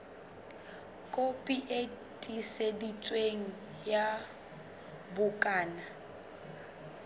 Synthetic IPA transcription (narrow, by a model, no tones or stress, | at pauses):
kʼopʼiʔe | tʼisedit͡sʼweŋ̩ | ja | bʊkʼaːna